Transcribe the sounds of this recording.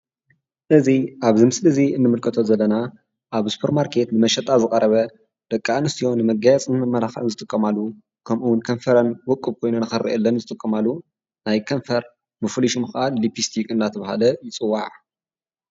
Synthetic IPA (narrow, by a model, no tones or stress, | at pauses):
ʔɨziʔaβzɨmslɨziɨnːɨmɨlkʰɐt̪ʰozɐlːɐna | ʔaβsu̥pʰɐɾmaɾkʰe̞t̪nɨmɐʃɐt̪ʼazɨkʼɐɾɐβɐ | d̪̥ɐkʼːanɨst̪ʰijo̞nɨmɐɡajat͡sʼnɨmɐmːɐlaxa̰ɨnzɨt̪ʼɨkʼːɐmalːu | kʰɐmʔuwʊnkʰɐnfɐɾɐnwɔkʼːɨβ̚kʰo̞jnunɨxɐrʔḭʔɛlːɐnzɨt̪ʼɨkʼːɐmalːu | najkʰɐnfɐɾ | mɨfliʃumɨxʔallipist̪ʰikʼɨnːat̪ʰɐβhalɐjɪt͡sʼɨwːaʕ